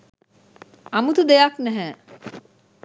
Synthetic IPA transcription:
amut̪ud̪ejaknæɦæː

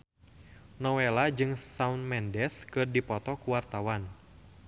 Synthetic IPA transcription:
nɔwelad͡ʒɨŋsaunmɛndɛskɨrdipɔt̪ɔkuwart̪awan

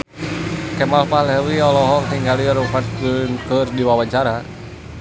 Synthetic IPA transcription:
kɛmalpalɛwiɔlɔɦɔŋt̪iŋɡaliɔluŋpatkunkərdiwawaɲt͡ʃaɾa

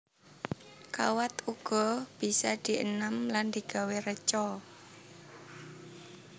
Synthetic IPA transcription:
kawat̪uɡ̥ɔ̤b̥i̤sad̪̥i̤ʔə̰namland̪̥iɡ̥a̤werət͡ʃɔ

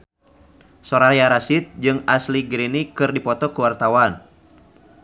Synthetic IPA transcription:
sɔɾajaɾasit̪̚d͡ʒɨŋasliɡɾinikɨrdipɔt̪ɔkuwart̪awan

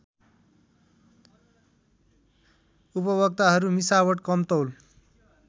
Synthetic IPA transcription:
upʌβʌk̚t̪aɦʌɾumisawʌʈkʌmt̪ʌwl

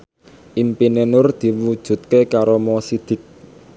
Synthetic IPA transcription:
ʔimpinenʊrd̪̥i̤wud̥ʒ̥ṳt̪̚kekaɾomɔsid̪̥ɪ̤k̚

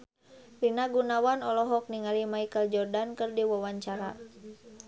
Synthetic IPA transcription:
rinaɡunawanɔlɔɦɔk̚niŋalimaikəld͡ʒɔrdankərdiwɔwaɲt͡ʃaɾa̰

